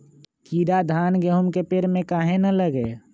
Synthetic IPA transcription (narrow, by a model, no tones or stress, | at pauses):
kiɾad̪ʱaːnɡeɦʊmkepeɾmẽkaɦẽnələɡe